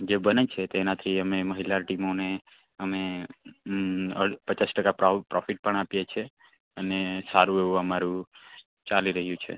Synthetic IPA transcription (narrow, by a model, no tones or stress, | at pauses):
d͡ʒebənet͡ʃʰet̪oenat̪ʰiəmeməɦilaʈimone | əme | əpət͡ʃasʈəkappɾɔfiʈ̚pəɳapjet͡ʃʰe | ənesaɾũeʋũəmaɾũ | t͡ʃaliɾəɦjũt͡ʃʰḛ